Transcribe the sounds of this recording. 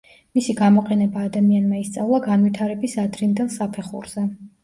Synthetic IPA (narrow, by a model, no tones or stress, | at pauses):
misiɡamɔqʼɛnɛbaːd̪amianmaist̪sʼavlˠaɡanvit̪ʰaɾɛbisad̪ɾind̪ɛlˠsapʰɛχṵɾz̥ɛ